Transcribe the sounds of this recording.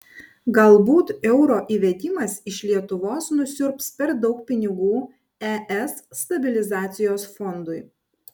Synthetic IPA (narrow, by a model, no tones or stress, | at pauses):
ɡɐlˠbuːt̪ɛʊɾoːʔiːʋʲɛd̪ʲɪmɐsɪʃʲlʲiɛt̪ʊʋoːsnʊsʲʊɾpspʲɛɾd̪ɒʊk̚pʲɪnʲɪɡuː | ɛʔɛsːt̪ɐbʲɪlʲɪzɑːt̪sʲɪjoːsfɔnd̪ʊɪ